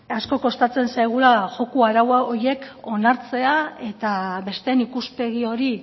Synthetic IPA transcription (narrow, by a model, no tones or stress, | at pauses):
asko̞ko̞st̪at͡se̞nsajɣ̞ulaʝo̞kuaɾawaoɾje̞ko̞naɾt͡se̞ae̞t̪aβe̞st̪e̞nikuspe̞ɣio̞ɾi